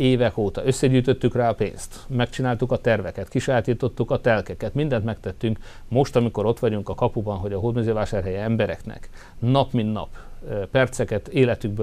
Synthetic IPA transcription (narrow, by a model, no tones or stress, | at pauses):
eːvɛkoːt̪ɒøsːɛɟyːjt̪ø̞t̪ːykraːɒpḛːnst̪mɛkt͡ʃinaːlt̪ukɒt̪ɛrvɛkɛt̪kiʃajat̪iːt̪o̞t̪ːukɒt̪ɛlkɛkɛt̪mind̪ɛnt̪mɛkt̪ɛt̪ːyŋk | mo̞ʃt̪ɒmiko̞ɾo̞t̪ʋɒɟuŋkɒkɒpubɒnɦo̞ɟɒɦoːd̪myzøːvaːʃaːrɦɛjɛɛmbɛɾɛ̰knɛ̰k | nɒpmint̪nɒ̰pːɛrt̪sɛkɛt̪eːlɛt̪yɡ̚bø